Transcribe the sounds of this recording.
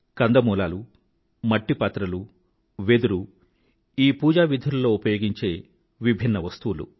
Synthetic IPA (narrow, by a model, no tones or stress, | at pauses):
kɐnd̪ɐmuːla̰ːlu | mɐʈːipaːt̪ɾɐlu | ʋed̪uɾu | iːpuːd͡ʒaːʋid̪ʱulɐlo̞ːupɐjo̞ːɡiɲt͡ʃe̞ː | ʋibʱinːɐʋɐst̪uʋulṵ